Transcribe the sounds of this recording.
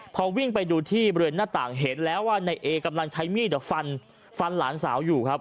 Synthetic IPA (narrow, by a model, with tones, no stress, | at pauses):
pʰɔː˧wi˥˩ŋpa˧jduː˧t̪ʰiː˥˩bɔ˧ɾe˧naː˥˩t̪a̰ː˨˩ŋɦe˩˦nlɛː˦˥waː˥˩na˧jʔeː˧ka˧mla˧ŋt͡ɕʰa˦˥jmiː˥˩d̪fa˧n | fa˧nlaː˩˦nsa̰ː˩˦wjuː˨˩kʰa˦˥p̚